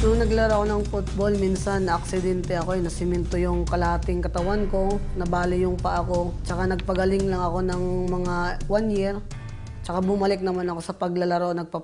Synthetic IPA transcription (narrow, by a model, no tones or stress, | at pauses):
joŋnɐɡlɐɾoɐkonɐŋfʊt̪̚bolminsɐnːɐʔɐksɪd̪ɛnt̪ɛɐko̞ɛjnɐsɪmɛnt̪ojʊŋkɐlɐaːt̪ɪŋkɐt̪ɐwanko̞nɐbaːlɪjʊŋpɐʔɐko̞t͡ʃɐkanɐɡ̚pɐɡɐlɪŋlɐŋɐko̞nɐŋmɐŋawanjɛɾ | t͡ʃɐkabʊmɐlɪk̚nɐmanɐko̞sɐpɐɡlɐlɐɾonɐɡ̚pa